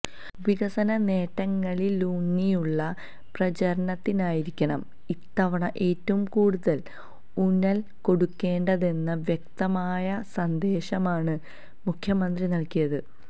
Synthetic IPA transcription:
ʋiɣɐsɐnɐne̞ːʈːɐŋːɐɭiluːnːijuɭːɐ | prɐt͡ɕɐɾɐɳɐt̪ːinaːjiɾikʲːɐɳɐm | it̪ːɐʋɐɳɐʔe̞ːtːɐʋumkuːɽuðɐl | unɐl | ko̞ɽukːe̞ːɳɖɐðe̞nːɐʋjɐk̚t̪ɐmaːjɐsɐnd̪e̞ːɕɐmaːɳɨ | mukʰjɐmɐnd̪rinɐɭkijɐðɨ

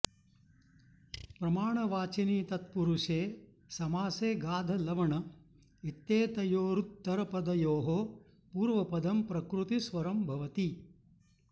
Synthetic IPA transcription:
pɾɐmaːɳɐʋaːt͡ʃiniːt̪ɐt̪̚puɾuʂeː | sɐmaːseːɡaːd̪ʱɐlɐʋɐɳɐ | it̪ːeːt̪ɐjoːɾut̪ːɐɾɐpɐd̪ɐjoːɦo | puːɾʋɐpɐd̪ɐmpɾɐkɾut̪isʋɐɾɐmbʱɐʋɐt̪i

